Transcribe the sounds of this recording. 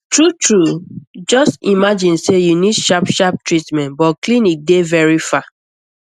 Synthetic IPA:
tɹutʰɹud͡ʒɔstimad͡ʒĩnsejunidʃapʃap̚tɹitmɛ̃ntbɔtklinik̚devɛɹifa

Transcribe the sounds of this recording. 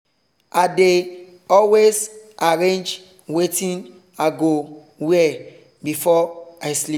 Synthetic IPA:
ade | ɔlwezʔaɹẽnd͡ʒ | wetĩn | aɡo | wɛ | bifɔaɪsli

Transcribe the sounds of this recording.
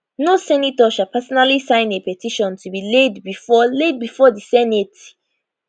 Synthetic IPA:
nosɛnitɔʃapʰasɔnalisãɪ̃nepɛtʰiʃɔ̃ntʰubiledbifɔled̚bifɔdisɛnet

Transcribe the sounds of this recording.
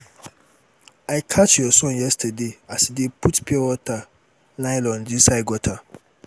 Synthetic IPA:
aɪkʰat͡ʃjɔsɔ̃njɛstʰadeasidepʰutpʰiɛwɔtʰa | laɪlɔ̃ndisaɪɡɔtʰa

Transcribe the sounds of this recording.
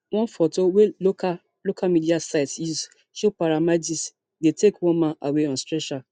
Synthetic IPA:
wɔ̃nfɔtoweloka | lokʰamidiasaɪtiz | ʃopaɾamad͡ʒis | detekwɔ̃nmãnʔaweɔ̃nstɹɛʃa

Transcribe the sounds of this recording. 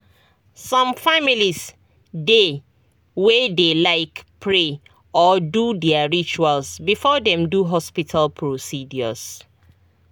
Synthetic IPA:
sɔ̃mfamilis | de | wedelaɪkpʰɹe | ɔdudɛaɹit͡ʃualsbifɔdɛ̃mduɦɔspitʰalpʰɹosidjɔ̰s

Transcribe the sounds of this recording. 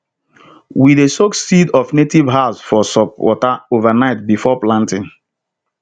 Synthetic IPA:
widesoksidɔvnetivɦaʊsfɔsɔpwɔ̰taovanaɪt̚bifɔplãntɪ̃ŋ

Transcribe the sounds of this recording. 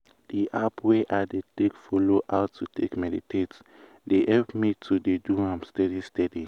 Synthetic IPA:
d̥iʔapweʔadetekfɔloʔaʊtʰːutʰekmɛditʰets | deʔɛlpmitʰudeduãmstɛdistɛdi

